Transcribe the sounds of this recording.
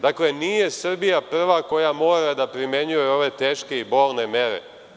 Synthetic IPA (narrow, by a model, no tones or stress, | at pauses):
d̪akle̞niːje̞sr̩bijapr̩ʋako̞jamo̞ːɾad̪apɾime̞ɲujeo̞ʋe̞t̪e̞ːʃke̞ibo̞ːlˠne̞me̞ɾḛ